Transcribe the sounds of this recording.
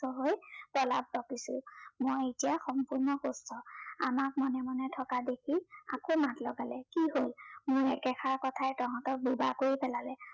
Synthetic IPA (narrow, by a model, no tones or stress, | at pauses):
tɔɦojpɹɔla̰b̚dɔkisʊ̰̃mojetijaxɔmpuɹnɔkostʰɔa̰mak̚mɔnɛmɔnɛtʰɔkadekʰia̰komatlɔɡalɛkiɦolmʊɹɛkɛxʰaɹkɔtʰaɛtɔɦɔ̃tɔk̚buba̰koɹipɛlalɛ